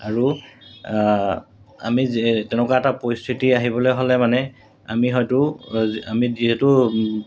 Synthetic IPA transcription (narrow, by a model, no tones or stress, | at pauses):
aɹu | a̰miztɛnɛkaɛtapɔistʰitiaɦibɔlɔjɦolɛmanɛ | a̰miɦɔjtʊamiziɦɛtʊ